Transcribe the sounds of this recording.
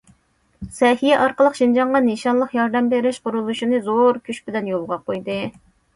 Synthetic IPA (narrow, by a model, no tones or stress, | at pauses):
sɛhijɛʔɑɾqəlˠəqʃind͡ʒɑɴʁɑneʃɑnlˠəqjɑɾd̪ɛmbeɾɪʃqʊɾulˠuʃinɨzoɾkʲʰyʃbɪdlɛnjolˠʁɑqʰojd̪ɨ